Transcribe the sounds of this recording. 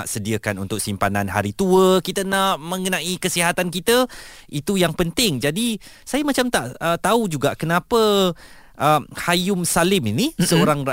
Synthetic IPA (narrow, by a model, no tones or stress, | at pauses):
a̰ʔsədiəkanṵnt̪ʊk̚simpana̰nɦa̰ɾit̪uəkit̪ənaʔmə̃ŋɡənãʔikəsiɦat̪ankit̪əit̪ujaŋpənt̪ɪŋd͡ʒadi | sajamat͡ʃamt̪aʔət̪aud͡ʒuɡaʔkənãpə | ʔəhajʊmsalɪminisəoɾaŋra